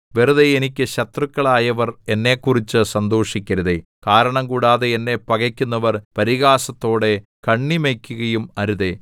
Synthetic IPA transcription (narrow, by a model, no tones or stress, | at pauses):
ʋeruðeenikʲːɨɕɐt̪rɨkːɐɭaːjɐʋɐre̞nːe̞kːurit͡ɕːɨsɐnd̪oːʂikʲːɐɾuðe | kaːɾɐɳɐmkuːɽaːðeenːe̞pːɐɣɐkʲːunːɐʋɐrpɐɾiɣaːsɐt̪ːo̞ːɽe̞ | kɐɳːimeːkʲːuɣɐjumɐɾuðe